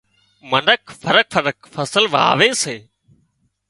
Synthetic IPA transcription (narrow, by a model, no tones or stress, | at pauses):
mənəkʰfʰəɾək̚fəɾəkfəsəlʋa̰ːʋeːseː